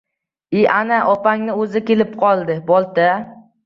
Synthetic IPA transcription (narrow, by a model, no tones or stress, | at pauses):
iʔanaʔɒpaŋnɪɵzɪkʲelɪp̚qʰɒlˠd̪ɪbɒlˠt̪a